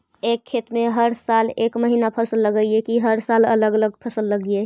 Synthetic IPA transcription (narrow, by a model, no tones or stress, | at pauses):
eːkʰːeːt̪mẽɦəɾsaːleːkməɦinapʰəsəlːəɡəiekiɦəɾsaːlələɡələɡpʰəsəlːəɡie